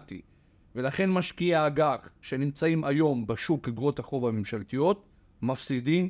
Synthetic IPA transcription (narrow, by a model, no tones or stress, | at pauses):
tḭ | ve̞laχe̞nmaʃkiaːɡaχʃe̞nimt͡saimajo̞mbeʃukliɡʁo̞taχo̞vamemʃalt̪ijo̞t̪ | mafsidim